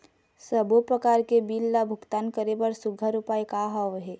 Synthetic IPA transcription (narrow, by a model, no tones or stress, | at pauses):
səbupɾəkaːɾkebilːabʱʊkt̪aːnkəɾebəɾsʊɡʱəɾʊpaːjkaɦɔʋɦɛː